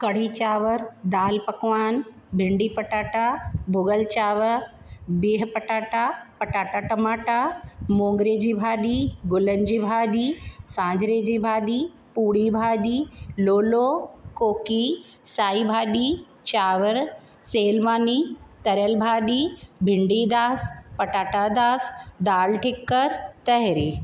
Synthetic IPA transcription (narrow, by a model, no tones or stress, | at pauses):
kɐɽ̤iːt͡ɕaːʋəɾd̪aːlpɐkʋaːn | bʱɪɳɖiːpɐʈaːʈabʱʊɡəlt͡ɕaːʋəɾ | biːɦpɐʈaːʈapɐʈaːʈaʈɐmaːʈamõːŋɡɾeːd͡ʑiːbʱaːɗiːɡʊlənd͡ʑiːbʱaːɗiːsãːd͡ʑɾeːd͡ʑiːbʱaːɗiː | puːɽibʱaːɗiːloːlokoːki | saːibʱaːɗi | t͡ɕaːʋəɾ | seːlmaːnit̪ɐɾjəlbʱaːɗibʱɪɳɖid̪aːspɐʈaːʈad̪aːsd̪aːlʈʰɪkːəɾt̪ɐɦɾiː